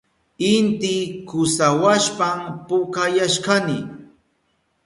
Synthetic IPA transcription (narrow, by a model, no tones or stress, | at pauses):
ɪnt̪ɪkʊsawaʃpampʊkajaʃkanɪ